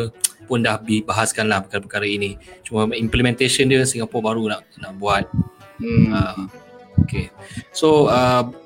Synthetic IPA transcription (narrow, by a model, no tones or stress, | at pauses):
pʊndahbibaɦaskanlahpəkaɾapəkaɾainit͡ʃuməimplimɛ̃nt̪eʃəndəsəŋapɔʔbaɾunaʔnaʔbuat̪̩̚ | a | okesoə